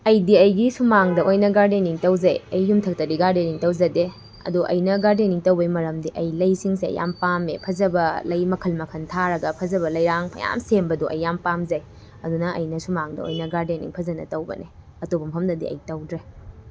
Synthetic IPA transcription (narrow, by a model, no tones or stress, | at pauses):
ɐjdiɐjɡisumaŋdɐʔojnɐɡaɾdeniŋtɐwzɐ̰jɐjːumtʰɐk̚tɐdiɡaɾdeniŋtɐwzɐde | ɐ̰duʔɐ̰jnɐɡaɾdeniŋtɐwbɐjmɐɾɐmdiʔɐjlɐjsiŋseɐ̰ja̰mpamḛpʰɐzɐbɐlɐjmɐkʰɐlmɐkʰɐntʰaɾɐɡɐpʰɐzɐβɐlɐjɾaŋpʰɐ̰ja̰msembɐduʔɐ̰jːampamzɐj | ɐdunɐʔɐ̰jnɐsumaŋdɐ̰o̰jnɐɡaɾdenḭŋpʰɐzɐnɐ̰tɐwbɐ̰ne | ɐtobɐmpʰɐmnɐdḭɐ̰jtɐwdɾe